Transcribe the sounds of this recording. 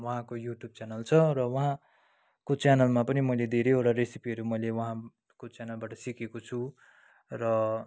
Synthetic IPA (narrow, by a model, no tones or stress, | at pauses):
wʌɦãkojuʈjub̚t͡sanʌlt͡sʰʌɾʌwʌɦã | kot͡sanʌlmapʌnimʌjled̪ʱeɾejoɽaɾesipiʌɾumʌjlewʌɦã | kot͡sjanʌlbaʈʌsikekot͡sʰu | rʌ